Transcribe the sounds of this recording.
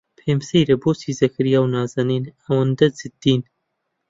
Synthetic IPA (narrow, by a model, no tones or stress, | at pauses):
pʰeːmsejɾɐboːsiːzɐkʰɾijaːwnaːzɐniːnɐwɐnd̪ɐzɨd̪̥ːiːn